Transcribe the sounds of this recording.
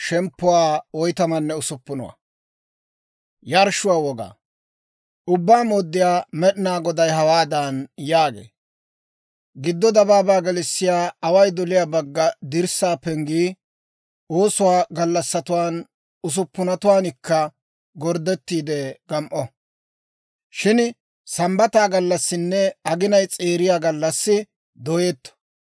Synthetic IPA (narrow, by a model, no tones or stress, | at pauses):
ʃɛmpːʊwaːɔjt̪ɐmɐnːɛʊsʊpːʊnʊ̰wa̰ | jaɾʃʊwaːwɔɡa̰ː | ʔʊbːaːmoːd̪ːɪjaːmɛɗɪnaːɡɔd̪ɐjɦɐwaːd̪ɐnjaːɡḛː | ɡɪd̪ːɔd̪ɐbaːbaːɡɛlɪsːɪjaːɐwɐjd̪ɔlɪjaːbɐɡːɐd̪ɪɾsaːpɛŋɡiː | oːsʊwaːɡɐlːɐsːɐt̪ʊwaːn | ʊs̬ʊpːʊnɐt̪ʊwaːnɪkːɐ | ɡɔɾd̪ɛt̪ːiːd̪ɛɡɐmʔɔ | ʃɪn | sɐmbɐt̪aːɡɐlːɐsːɪnːɛɐɡɪnɐjt͡sʼeːɾɪjaːɡɐlːɐsːɪ | d̪ɔjeːt̪ːɔ̥